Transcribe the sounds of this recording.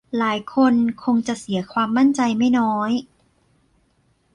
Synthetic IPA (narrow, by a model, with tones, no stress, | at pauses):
laː˩˦jkʰo˧nkʰo˧ŋt͡ɕa˨˩ʔsi˨˩˦ɐkʰwaː˧mːa˥˩nt͡ɕa˧jma˥˩jnɔː˦˥j